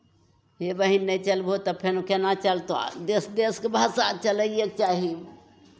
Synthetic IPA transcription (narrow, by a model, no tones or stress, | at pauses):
ɦebəɦinːət͡ʃəlbʱot̪əpʰenukenat͡ʃəlt̪a̰d̪esd̪eskebʱasat͡ʃələek̚t͡ʃaɦi